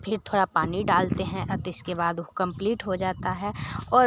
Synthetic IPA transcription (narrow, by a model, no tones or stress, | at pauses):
pʰɪɾt̪ʰoːɽapaːniɖaːlt̪eɦɛ̃ʔɐt̪ɪskebaːd̪okɐ̃mpliːʈɦod͡ʒaːt̪aɦɛɔːɾ